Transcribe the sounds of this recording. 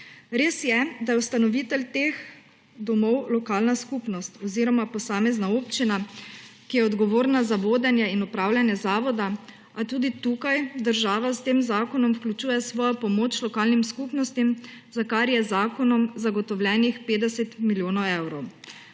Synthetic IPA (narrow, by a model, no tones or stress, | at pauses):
ɾeːsjɛd̪ajɛwst̪anɔʋiːt̪ɛlt̪ex | d̪ɔmɔwlɔkaːlnaskupnɔst̪ɔziɾɔmapɔsaːmɛznaoːpt͡ʃinakijɛɔd̪ɡɔʋoːɾnazaʋoːd̪ɛnjɛinupɾaːwlʲjanjɛzaːʋɔd̪a | at̪uːd̪it̪uːkajd̪əɾʒaːʋast̪eːmzaːkɔnɔmwklʲut͡ʃuːjɛsʋɔːjɔpɔmoːt͡ʃlɔkaːlnimskupnɔst̪im | zakaɾjɛzaːkɔnɔmzaɡɔt̪ɔwlʲjɛnixpeːd̪ɛsɛt̪miljoːnɔwɛwɾɔw